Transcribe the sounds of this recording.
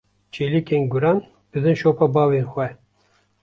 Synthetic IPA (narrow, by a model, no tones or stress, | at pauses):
t͡ʃʰelikʲenɡuɾɑn | b̥ɨzɨnʃopɑbɑːveːnxʷɛ